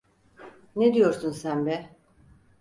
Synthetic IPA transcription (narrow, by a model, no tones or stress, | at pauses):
ned̪ijo̞ɾsunsænb̪ɛ